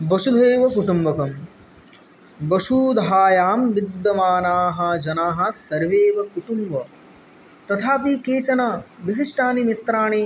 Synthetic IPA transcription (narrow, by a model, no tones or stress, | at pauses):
bɐʃud̪ʱeːʋɐkuʈumbɐkɐm | bɐʃuːd̪ʱɦaːjaːmʋid̪ːɐmaːnaːɦɐ̆d͡ʒɐnaːɦɐ̆sɐɾʋeːʋɐkuʈumbɐ | t̪ɐt̪ʰaːpikeːt͡ʃɐnaʋis̬iʂʈaːnimit̪ɾaːɳeː